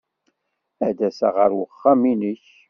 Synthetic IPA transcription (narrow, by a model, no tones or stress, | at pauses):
æd̪æsæʁəɾwəχːæminəç